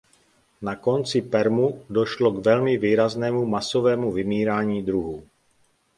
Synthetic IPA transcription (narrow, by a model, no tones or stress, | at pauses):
nako̞nt͡sɪpɛɾmudo̞ʃlo̞ɡvɛlmɪviːɾaznɛːmumaso̞vɛːmuvɪmiːɾaːɲiːd̪ɾuɦuː